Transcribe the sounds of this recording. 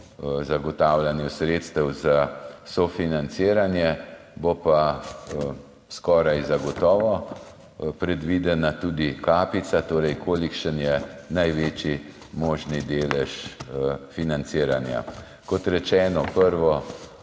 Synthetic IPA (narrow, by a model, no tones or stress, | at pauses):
zaɡɔt̪awlanjɛsɾeːt̪st̪əwzasɔfinant̪siːɾanjɛ | bopa | skɔːɾajzaɡɔt̪ɔːʋɔ | pɾɛd̪ʋiːd̪ɛnat̪uːd̪ikaːpit̪sat̪oːɾɛjkʰoːlikʃənjɛnajʋeːt͡ʃi | moːʒnid̪eːlɛʃ | finant̪siːɾanja̰ | kɔt̪ɾɛt͡ʃɛːnɔpəɾʋɔ